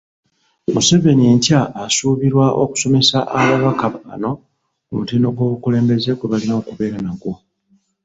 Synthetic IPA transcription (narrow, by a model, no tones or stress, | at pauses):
muse̞ve̞nie̞ɲcaːsuːβiɾwao̞̰ku̥so̞me̞saʔaβaβakaβaa̰no̞ | kumutiːno̞ɡwo̞ːβukule̞ːmbe̞ze̞ɡweβalinaokuβe̞ːɾanaɡo